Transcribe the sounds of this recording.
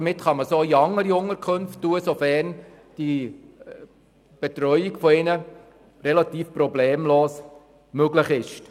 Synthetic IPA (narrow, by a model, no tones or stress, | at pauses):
mɪtχɑməsoːiɑŋːəɾiʊŋəɾkʰχɵnftːuːəsofɛrn | d̥i | b̥et̪ɾœʏjɪkfoɪnə | rɛlɑt̪iːfpɾɔbleːmloːs | møɡlɪχɪʃt